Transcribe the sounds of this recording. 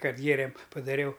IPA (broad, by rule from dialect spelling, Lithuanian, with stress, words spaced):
ˈkɐt ˈɡʲeːrʲeːm pɐdɐˈrʲɛʊ